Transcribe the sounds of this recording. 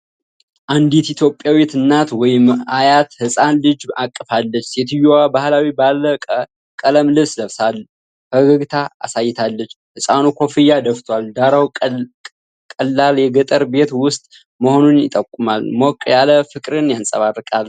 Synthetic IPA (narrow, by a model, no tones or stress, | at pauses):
ʔand̪it̪it̪ʰjopʼjawit̪ɨnːat̪wɔjɪmajat̪hɨsʼanlɨd͡ʒakʼːɨfalːət͡ʃːset̪ʰɨjowabahlawibalːəə | kʼələmlɨβsləβsal | həɡəɡt̪ʰa̰ːsajːɪt̪ʰalːət͡ʃː | hɨsʼanukʰo̞fɨjad̪əft̪ʰwald̪aɾaw | kʼəlːaljɛɡət̪ʼəɾbe̞t̪wʊst̪ʼ | məho̞nunjɪt̪ʼəkʼːumalmokʼːjaləfɨkʼɾɨnjansʼə̰βarːɨkʼal